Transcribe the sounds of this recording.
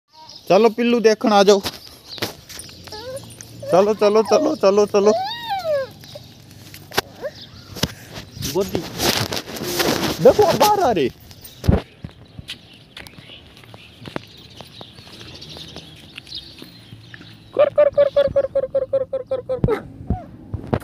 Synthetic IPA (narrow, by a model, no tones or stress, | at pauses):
t͡ʃəloːpɪlːuːd̪eːkʰəɳ̃aːd͡ʒau | t͡ʃəloːt͡ʃəloːt͡ʃəloːt͡ʃəloːt͡ʃəloː | bd̪i | dekʰoãːbaːɾaːɾeː | kɔɾkəɾkəɾkəɾkəɾkəɾkəɾkəɾkɾkɾkɾ